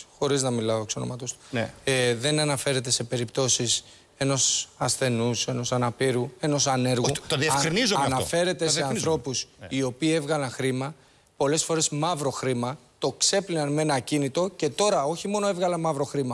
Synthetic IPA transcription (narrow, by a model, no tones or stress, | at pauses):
xo̞ɾiznɐmilɐoekso̞nomɐt̪ost̪u̥ | ðe̞nɐnɐfe̞ɾe̞t̪e̞se̞pe̞ɾipt̪o̞sis | e̞no̞sɐsθe̞nuse̞no̞sɐnɐpiɾue̞no̞sɐne̞ɾɣut̪oðiɐɐfkɾinizɐnɐfe̞ɾe̞t̪e̞seɐnθɾo̞pusio̞piːe̞vɣɐlɐnxɾimɐ | po̞le̞sfo̞ɾe̞smɐvɾo̞xɾimɐt̪o̞kse̞plinɐnme̞nɐcinit̪o̞ce̞t̪o̞ɾɐo̞çimo̞no̞evɣɐlɐnmɐvɾo̞xɾimɐ